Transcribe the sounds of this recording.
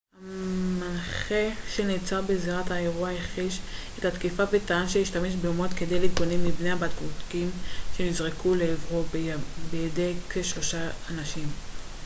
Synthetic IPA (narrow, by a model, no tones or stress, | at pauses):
hamanχe̞ʃeniːt͡sabeziʁathae̞ʁuajaχiʃethatkifabetaanʃejiʃtame̞ʃ̬beumo̞t̪ked̪e̞jliɡonemːibneabatkvutkimʃe̞nizʁekʰuleevʁobbejedekeʃlo̞ʃaːnaʃim